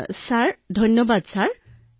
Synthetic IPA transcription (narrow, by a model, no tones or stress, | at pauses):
saɹd̪ʱɔnɔbad̪saɹ